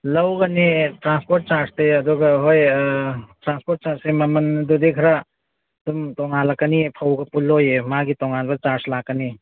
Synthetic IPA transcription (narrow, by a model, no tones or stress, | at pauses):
lɐwɡɐnitɾanspoɾt̚t͡ʃaɾsteɐd̪uɡɐɦoj | tɾanspoɾt̚t͡ʃaɾsemamɐndud̪ekʰɾa | dumtɔŋalakːənipʰawɡɐpulːojemaɡitɔŋanbɐt͡ʃaɾslakːəni